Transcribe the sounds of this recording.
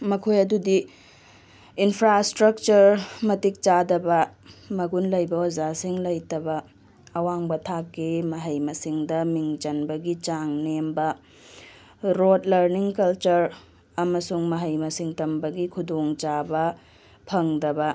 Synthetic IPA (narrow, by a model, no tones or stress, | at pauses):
mɐkʰojɐdudi | npʰɾastɾɐk̚t͡ʃɐɾmɐtik̚t͡ʃadɐbɐmɐɡunlɐjbɐozasiŋlɐjtɐbɐː | waŋbɐtʰakːemɐɦɐjmɐsiŋdɐmiŋt͡ʃɐnbɐɡit͡ʃaŋnembɐ | ɾodlɐɾniŋkɐlt͡ʃɐɾ | ɐmɐsuŋmɐɦɐjmɐsiŋtɐmbɐɡikʰudoŋt͡ʃabɐ | pʰɐŋdɐbɐ